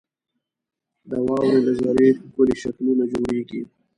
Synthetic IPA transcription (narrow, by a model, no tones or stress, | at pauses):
d̪əwɑːwɾeləzaɾekʊliʃakmunad͡ʒoɽeːɡi